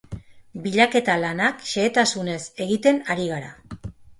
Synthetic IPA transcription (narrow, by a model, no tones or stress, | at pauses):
biʎake̞t̪alanakʃe̞ːt̪asune̞se̞ɣit̪e̞naɾiɣ̞aɾa̰